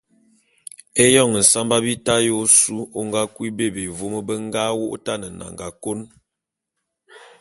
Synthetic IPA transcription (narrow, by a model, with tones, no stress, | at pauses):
e˦jɔ˦˨ŋ˨n̩˨sa˦mba˦bi˦ta˦jo˦su˦o˦ŋɡa˦kwi˦be˦˨be˨vo˦mə˦bə˦ŋ˦ɡa˦wo̰˦ʔo̰˦ta˦nə˨na̰˨ŋɡa˨ko˦n